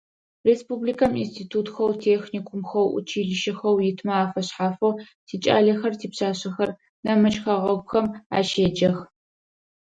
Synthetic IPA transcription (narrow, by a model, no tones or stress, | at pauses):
reːspubliːkʰɐmḭnstʰiːtʰuːtxɐwtʰeːxniːkʷʰʊmxɐwʔʊ̰t͡ʃʰiːɮɪʃɪxɐwjɪtʰmɐaːfɐɕħaːfow | tʰiːt͡ʃʼa̰ːɮɐxɐrtʰiːpɕaːɕɐxɐr | nɐmɨt͡ʃʼxɐʁɐɡxɐma̰ːʃeːd͡ʒɐx